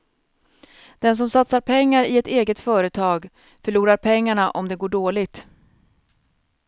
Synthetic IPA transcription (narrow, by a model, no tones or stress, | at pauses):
d̪̥ɛns̬ɔmsat̪saɾpʰɛŋːaɾɪɛt̪eːɡət̪fœːɾət̪ʰɑːɡ | fœɭuːɾaɾpʰɛŋːaɳaʔɔmd̪ɛɡoːɖoːlɪt̪